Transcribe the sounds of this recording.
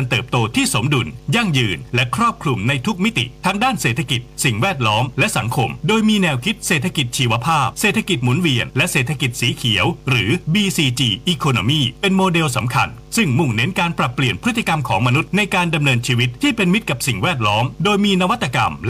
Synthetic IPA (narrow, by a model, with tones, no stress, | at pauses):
a˧nt̪ɤː˨˩p̚t̪oː˧t̪ʰiː˥˩so˩˦mdu˧nja˥˩ŋjɯː˧nlɛ˦˥kʰɾɔː˥˩p̚kʰɾu˧mna˧jt̪ʰu˦˥k̚mi˦˥t̪ḭ˨˩t̪ʰaː˦˥ŋdaː˥˩nseː˨˩t̪ʰːa˧ki˨˩t̪̚si˨˩ŋwɛː˥˩t̪̚lɔː˦˥mlɛ˦˥ʔsa̰˩˦ŋkʰo˧mdoː˧jmiː˧nɛː˧wkʰi˦˥t̪̚seː˨˩t̪ʰa˧ki˨˩t̪̚t͡ɕʰiː˧wa˧pʰaː˥˩p̚seː˨˩t̪ʰa˧ki˨˩t̪̚mu˩˦nwi˧ənlɛ˦˥ʔseː˨˩t̪ʰa˧ki˨˩t̪̚siː˩˦kʰi˩˦əwɾɯː˩˦biː˧siː˧t͡ɕiː˧ʔiː˧kʰoː˧no˧miː˥˩pe˧nmoː˧de˧wsa˩˦mkʰa̰˧nsɯ˥˩ŋmu˨˩ŋne˦˥nkaː˧npɾa˨˩pːli˨˩ənpʰɾɯ˦˥t̪ːi˨˩ka˧mkʰɔ̰ː˩˦ŋma˧nu˦˥t̪̚na˧jkaː˧nda˧mnɤː˧nt͡ɕʰiː˧wi˦˥t̪̚ʰːiː˥˩pe˧nmi˦˥t̪̚ka˨˩p̚si˨˩ŋwɛː˥˩t̪̬̚lɔː˦˥mdoː˧jmiː˧na˦˧wa˦t̪ːa˧ka˧ml